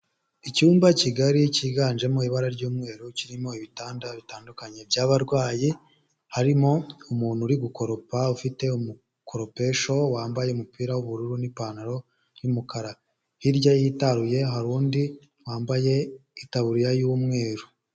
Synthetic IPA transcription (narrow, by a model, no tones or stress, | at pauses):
icuːmbaciɡaɾiciːɡaːnʒe̞moiβaɾaɾɟuːmŋe̞ːɾuciɾimo̞iβitaːndaβitaːndukaɲe̞bjaːβaɾɡwaːji | haɾimo̞umuːn̤̥huɾiɡuko̞ɾo̞paufite̞umu | kʰo̞ɾo̞pe̞ʃo̞waːmbaje̞umupiːɾawuβuɾuɾunipaːnaɾo̞ | jumukaɾa | hiɾɟaihitaɾuje̞ɦaɾuːndi | waːmbaje̞itaβuɾiɾajuːmŋe̞ːɾu